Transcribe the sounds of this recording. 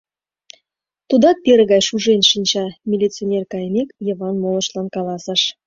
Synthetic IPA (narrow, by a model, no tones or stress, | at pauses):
t̪ud̪ɑk̪̚pʲeɾəɣɑjʃuʒenʃinʲt͡ɕɑmʲilʲit͡sionʲerkɑjnʲekjɤ̆βɑnmolˠə̆ʃlɑnkɑlˠɑsə̆ʃ